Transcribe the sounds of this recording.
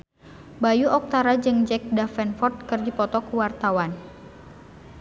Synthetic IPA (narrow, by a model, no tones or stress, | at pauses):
bajuʔɔk̚t̪aɾad͡ʒɨŋd͡ʒɛk̚dafɛnfɔrt̪̚kɨrdipɔt̪ɔkuwart̪awan